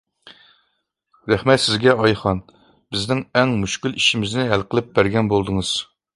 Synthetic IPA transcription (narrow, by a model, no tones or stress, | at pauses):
ɾæχmɛt̪sɪzɡʲɛɑjχɑn | b̥ɪznɪŋɛŋmuʃkʲyliʃimɪznɪɦælqəlˠɪp̚bæɾɡʲɛnbolˠd̪ɨŋɨz̥